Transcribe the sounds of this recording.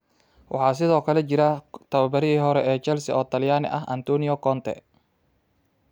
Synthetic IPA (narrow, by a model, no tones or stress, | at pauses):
wʔɑ̰ħɑːs̬ɪðɔːkʰɐlɛt͡ʃɪɾɐt̪ʰɐwɐbɐɾɪiːɦɔɾɛʔɛːt͡ʃɛlsɪɔːt̪ʰɐljaːnɪ̰ʔɐ̰ɦʔɐ̰nt̪ɔːnɪjɔkɔnt̪ʰɛ̰